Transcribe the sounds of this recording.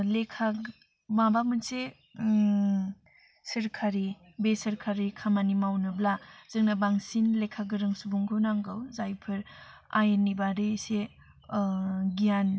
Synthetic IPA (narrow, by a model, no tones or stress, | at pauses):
lekʰa | mabamɯnse | sɯɾkʰaɾi | besɐɾkʰaɾikʰamanimawnɯblaz̥ɯŋnabaŋsinlekʰaɡɯɾɯŋsubuŋɡɯwnaŋɡawzajpʰɯɾajenːibaɾese | ɡijan